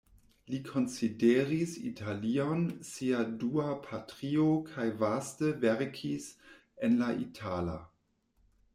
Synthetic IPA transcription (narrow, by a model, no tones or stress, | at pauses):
likʰo̞nsideʁisḭtʰalionsiaduapʰatʁiokʰajvastəvɛɾkʰis | enlaʔḭtʰala̰